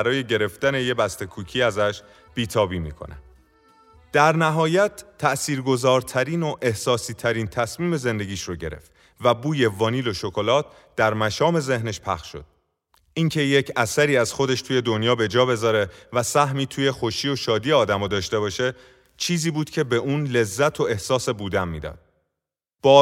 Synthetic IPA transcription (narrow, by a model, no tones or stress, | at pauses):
æɾɒːje̞ɟe̞ɾe̞ftd̪æne̞je̞bæst̪e̞kʰuːcʰiːæzæʃ | b̥iːt̪ʰɒːbiːmḭːkʰo̰næ̰ | d̪̥æɾnæɦɒːjæt̪ʰːæʔsiːɾɡo̞zɒːɾt̪ʰæɾiːno̞ʔe̞hsɒːsiːt̪ʰæɾiːnt̪ʰæsmiːme̞ze̞nd̪e̞ɡiːʃroɟe̞ɾḛft̪ | væbuːje̞vɒːniːlo̞ʃo̞ko̞lɒːt̪̚ʰ | d̪̥æɾmæʃɒːme̞ze̞hne̞ʃpʰæχʃʃo̞̰d̪̥ | iŋcʰe̞je̞cʰæsæɾiːæz̥xo̞d̪e̞ʃt̪ʰuːje̞d̪onjɒːbe̞d͡ʒɒːbe̞zɒːɾe̞væsæɦmiːt̪ʰuːje̞xo̞ʃiːo̞ʃɒːd̪iːeɒːd̪æmɒːd̪ɒːʃt̪e̞βɒːʃe̞ | t͡ʃʰiːziːbuːd̪̥cʰe̞beʔuːnle̞zːæt̪ʰo̞e̞hsɒːse̞buːd̪æmmḭːd̪ɒ̰ːd̪̥̚ | b̥ɒː